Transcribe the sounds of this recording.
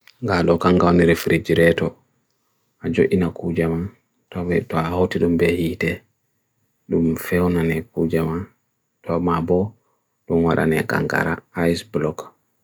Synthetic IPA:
ŋɡaɗɔkaŋɡawniɾefɾid͡ʒiɾɛtɔ | ʔad͡ʒoʔinakud͡ʒaman | tɔbɛtɔahawtiɗumbɛhitɛ | ɗumfɛwnanɛkud͡ʒaman | tɔmabɔ | ɗunwaɗa̰nɛ̰ka̰ŋɡa̰ɾa̰ajsblɔk

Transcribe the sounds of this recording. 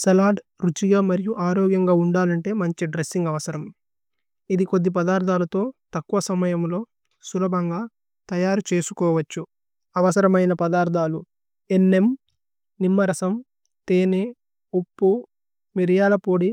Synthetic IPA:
sɐlaːɖ | ɾut͡ʃiɡaːmɐɾijuʔaːɾoːɡjɐŋɡaːuɳɖaːlɐɳʈe̞ːmɐɲt͡ʃiɖɾesːiŋɡɐʋɐsɐɾɐm | id̪iko̞d̪ːip̬ɐd̪aːɾd̪ʱaːlɐt̪o̞ːt̪ɐkːuʋɐsɐmɐjɐmlo̞ː | sulɐbʱɐŋɡaː | t̪ɐjaːɾut͡ʃe̞ːsukɔːʋɐt͡ʃːu | ɐʋɐsɐɾɐmɐjnɐpɐd̪aːɾd̪ʱaːlu | enːe̞m | nimːɐɾɐsɐm | t̪eːne | opːu | miɾɐjaːlɐpo̞ːɽi

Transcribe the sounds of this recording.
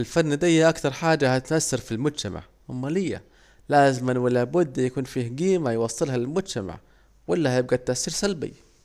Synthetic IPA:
ɪlfanːd̪ajːaʔakt̪ɑɾˤħaːd͡ʒahat̪ɪt̪ʔasːɑɾfilmʊd͡ʒt̪ama̰ʕ | ʔamːalɪjːa̰ | laːzɪmanwɪlabʊd̪ːjakuːnfiːhɡiːmajwɑsˤːɨlɦalɪlmʊd͡ʒt̪ama̰ʕ | walːahajɪb̚ɡat̪ːaʔsːiːɾsalbḭ

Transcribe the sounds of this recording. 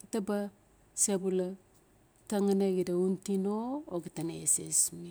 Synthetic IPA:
ɡitaba | sebula | taŋaneɡidauntinooɡitanḛsḛsmi

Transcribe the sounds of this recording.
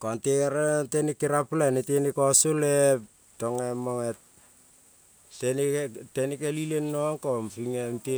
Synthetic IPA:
kontekeɾentenikːiɾaplanetenikosolep̚ | toŋemoŋet̚ | tenetenikelilenːoŋkompiŋente

